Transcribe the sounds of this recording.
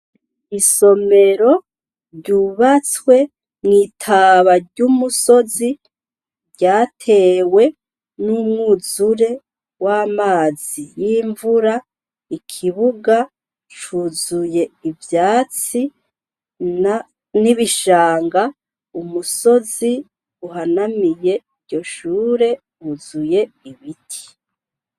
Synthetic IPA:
iso̞me̞ɾo̞ | ɾɟuːβat͡swe̞ | nitʰaβaɾɟumuso̞zi | ɾɟaːtʰe̞we̞ | numŋuzuɾe̞ | waːmaːzijiːɱvuɾa | ikʰiβuɡa | t͡ʃuːzuje̞ivjaːt͡si | niβiʃaːŋɡa | umuso̞zi | uɦanamije̞iɾɟo̞ʃuːɾe̞ | uzuje̞iβitʰi̥

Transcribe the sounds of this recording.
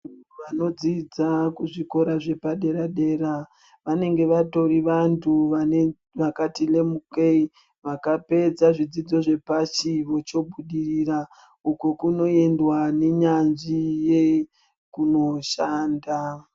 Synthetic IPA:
ʋano̞d͡zid͡zakuʐiko̞ɾaʐe̞paɗe̞ɾaɗe̞ːɾa | ʋane̞ŋɡe̞ʋato̞ɾiʋantʰuʋae | ʋakatile̞mukei | ʋakape̞d͡zaʐid͡zid͡zo̞ʐe̞pat͡ʃiʋo̞t͡ʃo̞bʱuɗirira | ukokuno̞e̞ndwane̞ɲanʐije̞ | kuno̞ʃaːnda

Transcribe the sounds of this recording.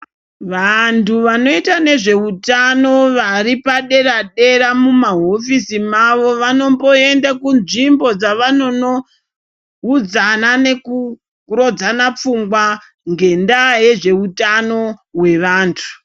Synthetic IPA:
ʋantuʋano̞itane̞ʐe̞utano̞ʋaɾipaɗe̞raɗe̞ɾamumaɦo̞fisimaʋo̞ʋano̞mbo̞e̞ndakunʐimbo̞d͡zaʋano̞no̞ | ud͡zanane̞ku | ro̞d͡zanap͡fuŋɡwa | ŋɡe̞ndaje̞ʐe̞utano̞ɦwe̞ʋaːntʰu̥

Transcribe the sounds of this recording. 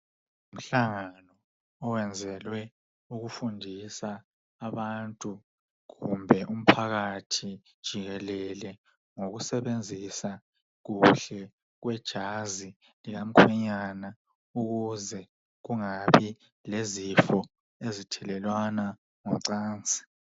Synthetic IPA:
um̩ɬaŋanɔː | wɛnd͡zʱɛlwɛ | uɣufundʱisaː | βantʼu | ɣumbʱɛʔum̩pʰaɣatʰid̥ʒ̥ʱiɣɛlɛlɛ | ŋoɣusɛβend͡zʱisa | ɣuɬɛ | ɣwɛd̥ʒ̥ʱazi | liɣam̩kʰwɛɲana | uɣuzɛ | ɣuŋaβi | lezifɔ | ezitʰɛlɛlwana | ŋɔm̩ǀaːnt͡sʼi̥

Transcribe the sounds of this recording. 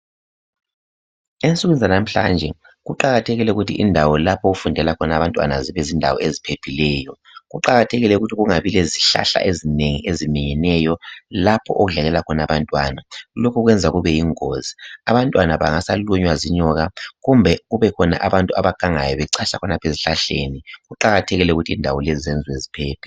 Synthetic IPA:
ensʼuɣunzanam̩ɬa̰nd͡ʒʱɛ | ɣuǃaɣatʰɛɣilɛuɣutʰiʔindʱawɔlapʰɔɣufundʱɛlakʰɔnaβantʼwa̰naziβɛzindʱa̰wɔ̰ezipʰepʰilɛːjɔ | ɣuǃaɣatʰɛɣilɛuɣutʰiɣuŋaβilɛziɬa̰ɬa̰ʔezineŋḭʔezimiɲɛnɛjɔlapʰɔ̰ʔoɣuɮaɣɛlakʰɔnaβantʼwanalokʰuɣwɛnd͡zʱaɣuβɛjiŋoziaβantʼwanaβa̰ŋasaluɲwaziɲɔɣaɣumbʱɛɣuβɛkʰɔna̰ʔaβantʼua̰βaɡ̥ʱaŋajɔβɛǀaɬakʰɔnapʰeziɬaɬḛniɣuǃaɣatʰeɣilɛuɣutʰiindʱawɔlezizɛnd͡zʱwezipʰeːpʰi̥

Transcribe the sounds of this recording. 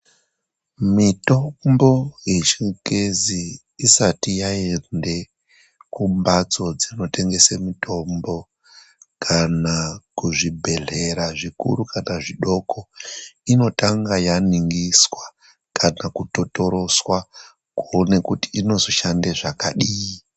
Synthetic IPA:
mitombo̞je̞t͡ʃikeziː | satijae̞nde̞ | kumbat͡so̞d͡zino̞te̞ŋɡe̞semitʰo̞mbo̞ | kʰanakuʐibʱe̞ɮe̞ɾaʐikṵɾukanaʐiɗo̞kʰo̞ino̞taŋɡajaniŋɡiswa | kanakuto̞to̞ɾo̞swa | kuone̞kuti̥ino̞zoʃandeʐakaɗiːi

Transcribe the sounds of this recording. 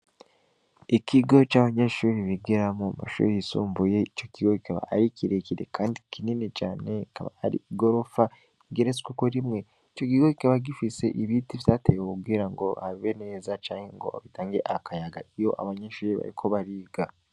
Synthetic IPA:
ikʰiɡo̞t͡ʃaːβaɲeʃuːɾiβiɡeɾamoma̰ʃṵːɾiisṵːmbujeico̞kiɡokikaβa̰a̰ɾicʰiɾe̞ciɾe̞̰kʰaːndikʰininet͡ʃaːne̞ka̰βa̰aɾḭɡo̞ɾo̞fa | iɡeɾeskukoɾimŋwe̞ | ico̞kiɡokikaβaɡifise̞ʔiβitiβizatejwokuɡɡiːɾaŋɡo̞haβiβene̞ːzat͡ʃaːŋhe̞ŋɡo̞̰aβitaːŋɡe̞ʔakajaɡaijo̞ʔa̰βaɲeʃuːɾiβa̰ɾikʰo̞βaɾiːɡa

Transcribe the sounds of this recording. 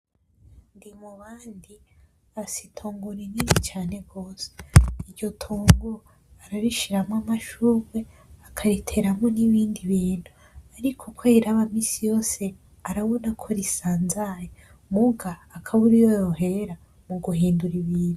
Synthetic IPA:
ndimuβaːndi | asitʰoːŋɡuɾininit͡ʃaːne̞ɡo̞ːseiɾɟo̞tʰoːŋɡo | aɾaɾiʃiɾamŋamaʃuːβe̞ | akʰaɾitʰe̞ɾamoniβiːndiβiːn̥hu | aɾikʰokʰeiɾaβamisijo̞ːse̞ | aɾaβonakʰoɾisaːnzaje | muɡaːkʰaβuɾijojoɦe̞ɾa | muɡuhiːnduɾiβiːnu

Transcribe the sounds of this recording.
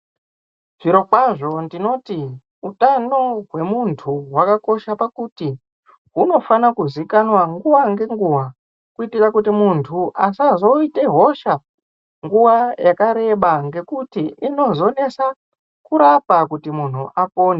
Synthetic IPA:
ʐ̥iɾo̞kwaʐo̞ndino̞ti | utano̞ɦwe̞muntʰuɦwakako̞ʃapakuti | ɦuno̞fanakuzikanwaŋɡuʋaŋɡe̞ŋɡuwa | kuitikakutimuntʰuʔasazo̞ite̞ɦo̞ʃa | ŋɡuʋajakaɾe̞ɓaŋɡe̞kutiʔino̞zo̞ne̞sa | kuɾapakutimun̤uʔapo̞ːne

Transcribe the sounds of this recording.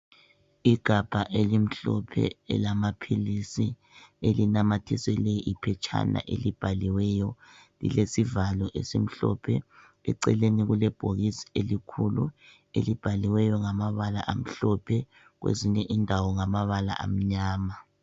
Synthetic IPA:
iɡ̥ʱab̥ʱaʔelim̩ɬɔ̰pʰɛ̰ɛ̰lamapʰilisi | elinamatʰisɛlɛjiʔipʰɛt͡ʃʰʼa̰na̰ʔelib̥ʱaliwɛjɔ | lḭlesivalɔʔesim̩ɬɔ̰pʰɛ | ɛ̰ǀɛ̰leniɣulɛb̥ʱoɣisi̥elikʰulu | ḛlib̥ʱaliwɛjɔŋamaβala̰ʔam̩ɬɔpʰɛ | ɣwḛziɲɛʔindʱawɔŋamaβala̰ʔa̰m̩ɲaːma

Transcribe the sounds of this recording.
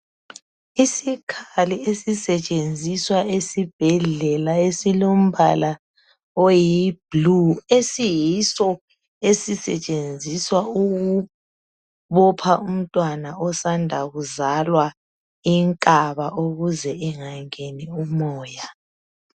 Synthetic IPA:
isikʰaliesisɛt͡ʃʼend͡zʱiswaesib̥ʱɛɮɛlaesilom̩bʱala | ojib̥luesijisɔ | esisɛ̰t͡ʃʼend͡zʱiswauɣu | βɔpʰaum̩tʼwanaɔsandʱaɣuzalwa | iŋkʼaβaʔoɣuzɛiŋaŋeniumɔːja

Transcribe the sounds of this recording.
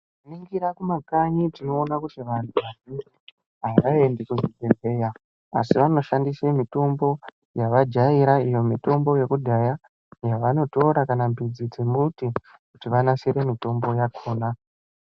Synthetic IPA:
niŋɡiɾakumakaɲitino̞ːnakutiʋantʰuʋanini | ɦaʋae̞ndekuzibʱebʱe̞ja | a̰siʋano̞ʃandisemito̞mbo̞ | jaʋad͡ʒaiɾaijo̞mito̞mbo̞je̞kudʱaja | jaʋano̞to̞ɾakanambid͡zid͡zemuti | kutiʋanaseɾe̞mito̞mbo̞jakʰoːna

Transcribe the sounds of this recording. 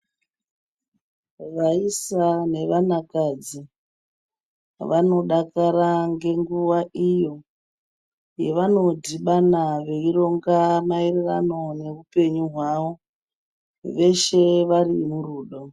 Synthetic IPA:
ʋaisane̞ʋanakad͡zi | ʋano̞ɗakaɾaŋɡe̞ŋɡuʋaʔijo̞ | je̞ʋano̞diɓanaʋe̞iro̞ŋɡamairirano̞ne̞rupe̞ɲuɦwaʋo̞ | ʋe̞ʃe̞ʋarimuruːɗo

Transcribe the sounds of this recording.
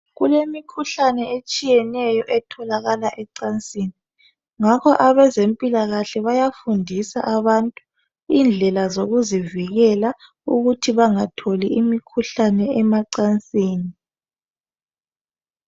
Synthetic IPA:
ɣulemikʰuɬanɛet͡ʃʼijɛnɛjɔʔɛtʰɔlaɣalaʔɛǀant͡sʼiːni | ŋakʰɔʔaβɛzempʼilaɣaɬɛβajafundʱisa̰ʔaβantʼu | ind͡ɮʱɛlazoɣuziviɣɛla | uɣutʰiβaŋatʰoliimikʰuɬanɛɛmaǀant͡sʼiːni

